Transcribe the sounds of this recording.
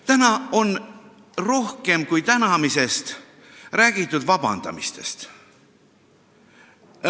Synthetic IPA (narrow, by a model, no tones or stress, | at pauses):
t̪ænɑo̞n | ro̞hke̞mkujt̪ænɑmise̞st̪ | ræːɡ̥it̪ˑːud̪̥vɑbɑ̰nd̪̥ɑ̰mist̪e̞̰st̪